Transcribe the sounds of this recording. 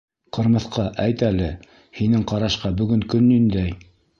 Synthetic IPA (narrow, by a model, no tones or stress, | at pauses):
qɤ̆ɾmɤ̆θqɑʔæjt̪ælɘ | hinɘŋqɑɾɑʃqɑbɵ̆ɡɵŋkɵnːind̪æj